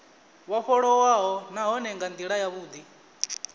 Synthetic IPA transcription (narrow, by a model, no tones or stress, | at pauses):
waɸɔɺɔwaɦɔnaɦɔnɛŋɡand̪iɺajaβuːd̪i